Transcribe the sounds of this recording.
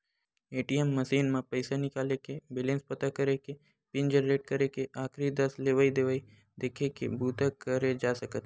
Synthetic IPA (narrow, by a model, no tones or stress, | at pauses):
eːʈiemːəsiːnmãpəɪsanɪkaːlekebelẽːnspət̪akəɾeke | pɪ̃nd͡ʒəɾːeːʈ̚kəɾekeʔaːkʰɾid̪əsleːʋaid̪eʋai | d̪eːkʰekḛbuːt̪əkəɾed͡ʒaːsəkət̪ʰː